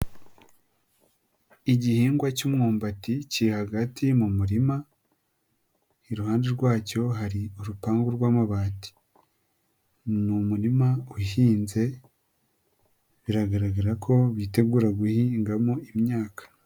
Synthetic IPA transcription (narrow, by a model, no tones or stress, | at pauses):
iɟihiːŋɡwacumŋoːmbaticiɾihaɡatimumuɾima | iɾuhaːnde̞ɾɡwaːco̞ɦaɾiuɾupaːŋɡuɾɡwaːmaβaːti̥ | numuɾimauhiːnze̞ | βiɾaɡaɾaɡaɾakʰo̞βiːte̞ɡuːɾaɡuhiŋɡamoimɲaːkḁ